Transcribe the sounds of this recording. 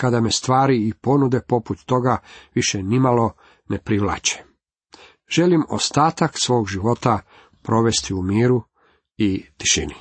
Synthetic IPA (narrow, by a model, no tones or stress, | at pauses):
kad̪ame̞st̪ʋaːɾiipo̞nud̪e̞po̞put̪ːo̞ɡaʋiʃe̞nimalˠo̞ | nepɾiʋlˠa̰t͡ɕe̥ | ʒ̥e̞limo̞̰st̪aːt̪aksʋo̞ːɡʒiʋo̞t̪a | pɾo̞ʋe̞st̪iumiːɾu | it̪i̥ʃḭni